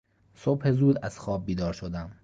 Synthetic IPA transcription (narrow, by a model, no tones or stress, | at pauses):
sob̥he̞zuːd̪æz̥xɒːb̚ːiːd̪ɒːɾʃod̪æm